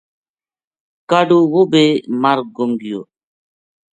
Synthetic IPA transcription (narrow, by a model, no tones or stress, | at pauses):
kaɖuwobemaɾɡoŋɡijo̰